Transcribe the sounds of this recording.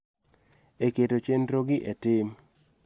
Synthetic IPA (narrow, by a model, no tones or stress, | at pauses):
eketot͡ʃenɾoɡɪʔetɪm